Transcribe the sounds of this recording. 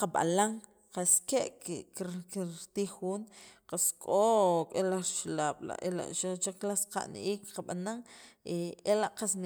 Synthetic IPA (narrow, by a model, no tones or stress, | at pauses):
qaɓa̰laŋ | qaskeʔkkit̪iːxuːnqaskʼokʼelaɾʃlaːɓ̥la̰ʔela̰ʔʃat͡ʃeklasqa̰ʔnʔiːkqaɓanaŋeelaʔqasn